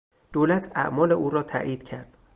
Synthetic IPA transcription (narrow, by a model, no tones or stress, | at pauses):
d̪̥oːlæt̪ʰæ̰ʔmɒːleʔuːɾɒːt̪ʰæ̰ʔiːd̪̥cʰæɾd̪̥